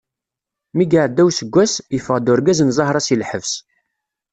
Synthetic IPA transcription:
miɡaʕd̪ːæwsəɡʷːæsjəfəʁd̪ʊɾɡæznzˤɑhɾˤɑsilħəvs

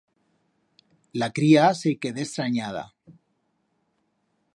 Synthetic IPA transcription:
lakɾiasekeðest̪ɾaɲað̞a̰

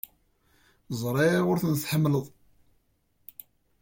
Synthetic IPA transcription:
zˤɾˤeʁʊɾθənθħəmːləðˤ

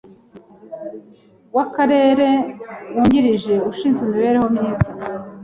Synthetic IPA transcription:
wakaɾe̞ːɾe̞wuːɲɟiɾiʒe̞uʃiːnzwumiβe̞ːɾeho̞mɲiːza

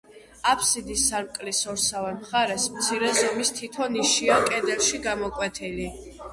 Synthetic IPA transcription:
apʰsid̪isːaɾmkʼlisɔɾsavɛmχaɾɛsmt̪sʰiɾɛzɔmist̪ʰit̪ʰɔniʃiakʼɛd̪ɛlˠʃiɡamɔkʼwɛt̪ʰili

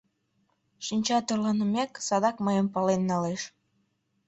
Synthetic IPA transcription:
ʃinʲt͡ɕɑt̪orlɑnəmeksɑd̪ɑkmɑjəmpɑlenːɑleʃ

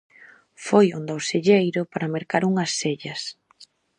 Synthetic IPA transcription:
fojond̪awseʎejɾʊpaɾɐmeɾkaɾuŋɐsːeʎɐs

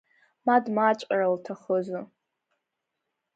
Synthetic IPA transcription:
madmat͡ʃʷʼaraltʰaχəzɨ

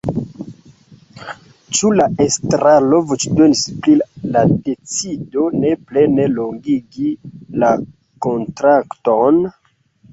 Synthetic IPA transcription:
t͡ʃulaʔestɾalo̞vut͡ʃdo̞nisplilade̞t͡sido̞ne̞ple̞ne̞loŋɡiɡila | ko̞ntɾakton

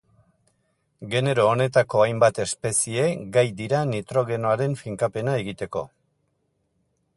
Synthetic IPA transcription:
ɡe̞ne̞ɾo̞ːne̞t̪ako̞ajmbat̪e̞spe̞sie̞ɡajd̪iɾanit̪ɾo̞ɣ̞e̞no̞aɾe̞ɱfiŋkape̞nae̞ɣit̪e̞ko̞̰

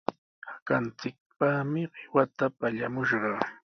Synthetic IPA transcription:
hakant͡sɪk̚pamɪɢwat̪apaʎamʊʃɢɑ

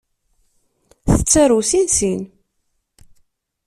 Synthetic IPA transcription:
θə̥t͡sːæɾusinsin

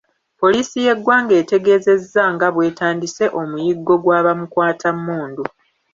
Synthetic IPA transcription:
po̞liːsije̞ɡːwaːŋɡe̞ːte̞ɡe̞ːze̞zːaŋɡaβwe̞ːtaːndise̞ʔo̞mujiɡːo̞ɡwaːβamukwaːtʰamːuːndu

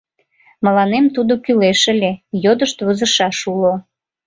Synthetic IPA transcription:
məlɑnemt̪ud̪okyleʃəlʲejod̪əʃt̪βəzəʃɑʃulo

